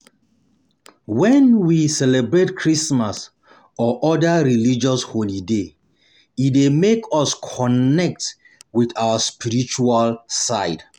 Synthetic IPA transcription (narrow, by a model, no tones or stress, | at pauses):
wɛ̃nwisɛlɛbɹetkʰɹismas | ɔʔɔdaɹilid͡ʒɔsholide | itdemekʰɔskʰɔnɛk̚t | wiθawəspiɹit͡ʃualsaɪd